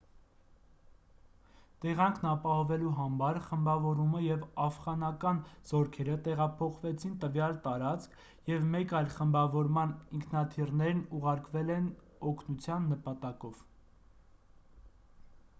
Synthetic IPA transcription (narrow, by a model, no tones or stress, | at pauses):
t̪ɛʁɑŋkʰnɑpɑhɔvɛluɦɑmɑɾχəmbɑvɔɾuməjɛvɑfʁɑnɑkɑnz̥ɔɾkʰɛɾət̪ɛʁɑpʰɔχvɛt͡sʰint̪əvjɑlt̪ɑɾɑt͡skʰ | jɛvmɛkɑjlχəmbɑvɔɾmɑniŋkʰnɑt̪ʰirnɛɾnuʁɑɾkvɛlɛn | ɔkʰnut͡sʰjɑnːəpɑt̪ɑkɔv̥